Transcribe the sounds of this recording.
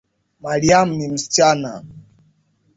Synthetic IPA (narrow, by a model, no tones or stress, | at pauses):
maɾiam̩nim̩sit͡ʃana̰